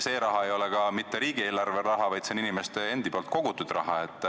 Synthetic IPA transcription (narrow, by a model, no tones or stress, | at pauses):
se̞ːɾɑɦɑe̞jo̞le̞kɑmit̪ːe̞ɾiːɡ̥ie̞ːlɑrveɾɑɦɑvɑjd̪seninime̞st̪ee̞nd̪̥ipolt̪̚ˑko̞ɡ̥ut̪ud̪̥rɑ̰ɦɑe̞t̪ˑː